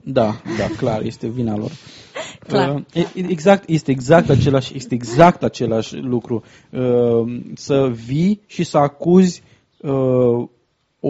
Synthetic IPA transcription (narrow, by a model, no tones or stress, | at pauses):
d̪ad̪aklarje̞st̪e̞vinalo̞̰r | əeɡzak̚t̪je̞st̪eːɡzak̚t̪at͡ʃe̞laʃjest̪e̞ːɡzakt̪at͡ʃe̞laʃʲlukɾu | ə | səviʃisəakuzʲ | ə | o